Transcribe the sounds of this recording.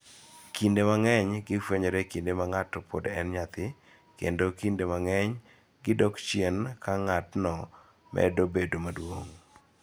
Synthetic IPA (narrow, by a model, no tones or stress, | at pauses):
kindemaŋɛɲɡɪfweɲoɾekindemaŋatɔpʰo̰dɛnɲat̪ɪ | kḛndokindemaŋɛɲ | ɡɪdɔkt͡ʃjenkaŋatnɔ | mɛ̰dobedomadwoŋ